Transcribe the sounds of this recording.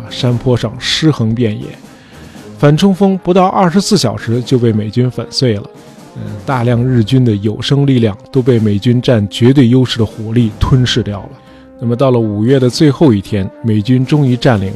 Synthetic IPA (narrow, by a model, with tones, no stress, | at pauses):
ʂa˥npʰwɔ˥ʂɑ˥˧˩ŋʂɻ̩˥xɤ˧˥ŋpjɛ˥˩njɛ̰˨˧˩ | fa˨˩nʈ͡ʂʰʊ˥ŋfɤ˥ŋpu˧˥t̪ɑ˥˧ʊʔɐ˥˩ʂɻ̩˧˥sɹ̩˥˩ɕjɑ˨˩ʊʂɻ̩˧˥t͡ɕjo˥˧ʊpe˥˩ɪme˨˩ɪt͡ɕy˥nfə̰˨˩nswe˥˩ɪlə̰˩˧ | t̪a˥˧ljɑ˥˧ŋɻɻ̩˥˩t͡ɕy˥nd̪ə˨jo˨˩ʊʂɤ˥ŋli˥˧ljɑ˥˩ŋt̪o˥ʊp̬e˥˩ɪme˨˩ɪt͡ɕy˥nʈ͡ʂa˥˩nt͡ɕɥɛ˧˥t̪̬we˥˩ɪjo˥ʊʂɻ̩˥˩d̪ə˩xwɔ˨˩li˥˩t̪ʰwə˥nʂɻ̩˥˧t̪jɑ˥˩ʊlə˩ | na˥˩mə˩t̪̬ɑ˥˩ʊlə˩u˨˩ɥɛ˥˩d̪ə˩t͡swe˥˧ɪxo˥˧ʊi˥˩t̪ʰjɛ˥nme˨˩ɪt͡ɕy˥nʈ͡ʂʊ˥ŋi˧˥ʈ͡ʂa˥˩nlḭ˧˩˥ŋ